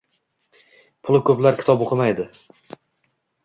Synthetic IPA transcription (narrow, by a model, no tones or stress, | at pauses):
pʰʊlˠɪkʰɵplaɾkʲɪ̥t̪ʰɒboqʰɨmajd̪ɪ